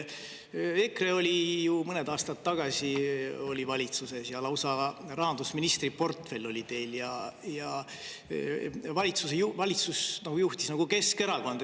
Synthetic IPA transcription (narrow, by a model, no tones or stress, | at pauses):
e̞kre̞o̞lʲijumɤned̪ɑːst̪ɑt̪ːɑɡ̥ɑsio̞lʲivɑlʲit̪suse̞sjɑlɑwsɑrɑɦɑnd̪usminist̪ripo̞rt̪fe̞lːo̞lʲit̪e̞jljɑjɑ | vɑlʲit̪sus̬ejuvɑlʲit̪susnɑɡ̥ujuht̪isnɑɡ̥uke̞ske̞ɾɑko̞nd̪